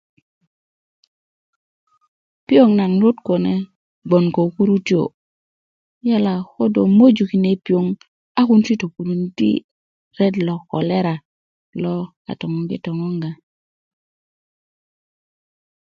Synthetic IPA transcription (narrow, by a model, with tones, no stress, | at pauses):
pi˦o˦ŋna˨ŋɾo˦tko˨ne˦ | ɡ͡bo˨nko˨ku˦ɾu˦ti˦o̰˨ | ja˦la˨xo˦do˨mo˦d͡ʒu˨ki˨ne˨pi˨o˨ŋ | a˦ku˦nt͡ʃi˦to˨ku˨ɾu˨ntḭ˦ | ɾe˦dlo˨ko̰˨le˦ɾa˨ | lo˦ | a̰˨to˨ŋo˨ŋɡḭ˦to˨ŋo˦ŋɡa˨